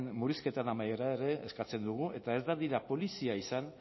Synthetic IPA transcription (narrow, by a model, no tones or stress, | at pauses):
nmuɾiske̞t̪anamaje̞ɾaeɾe̞eskat͡se̞nd̪uɣ̞uʔe̞t̪ae̞zd̪aðiɾapo̞lisiaisan